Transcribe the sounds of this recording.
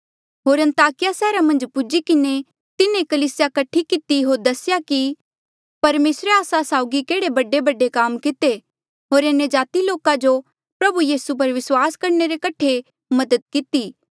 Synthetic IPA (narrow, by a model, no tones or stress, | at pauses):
ɦoːɾɐ̃nt̪aːkɪjasɛːɾamɐ̃nd͡ʒpʊd͡ʒikɪne | t̪ɪnẽkɐliːsjakɐʈʰːikɪt̪iɦoːɾd̪ɐsɪjaki | pɐɾmeːsɾeaːsasaːʊɡikeːɽebɐɖebɐɖekaːmkɪt̪e | ɦoːɾenəd͡ʒaːt̪iloːkad͡ʒo | pɾɐbujiːsup̬ɐɾʋɪswaːskɐɾneɾekɐʈʰe | mɐd̪əd̪̚kɪt̪iː